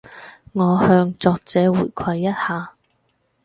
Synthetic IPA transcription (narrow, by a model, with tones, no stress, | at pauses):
ŋɔː˨˧hœː˧ŋt͡sɔː˨˧k̚t͡sɛː˨˧wuː˨˩jkʷʰɐ˧jːɐ˥t̚haː˨˧